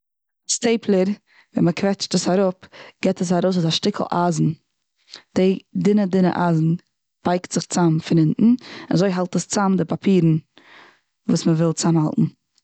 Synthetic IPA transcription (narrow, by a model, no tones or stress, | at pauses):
steɪpʰlˠəɾ | vɛ̰nməkʰvɛt͡ʃtəsaɾʊpɡ̥ɛtəs̬aɾoʊsʊzaʃtɪkl̩ˠʔaːzn̩ | d̥ɪdɪnədɪnə̰ʔaːzn̩ | b̥aɪktz̥ɪχt͡samfɪnɪnʔn̩ɪnazoɪɦalˠtəst͡samdɪpapʰiːɾn̩ | vuːsməvɪlˠt͡samhalˠtn̩